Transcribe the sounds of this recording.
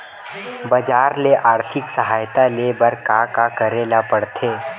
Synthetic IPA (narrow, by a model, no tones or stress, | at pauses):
bɐd͡ʒaːɾleʔaːɾt̪ʰɪksɐɦaːjt̪aleːbɐɾkakakəɾeːlapəɽt̪ʰeː